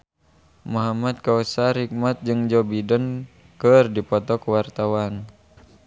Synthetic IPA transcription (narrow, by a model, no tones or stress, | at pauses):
mɔɦamat̪̚kausaɾik̚mat̪̚d͡ʒɨŋd͡ʒɔbidən | kɨrdipɔt̪ɔkwart̪awan